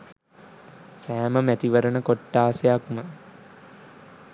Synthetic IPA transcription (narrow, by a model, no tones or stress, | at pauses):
sæːməmæt̪iʋəɾənəkoʈːaːsejakmə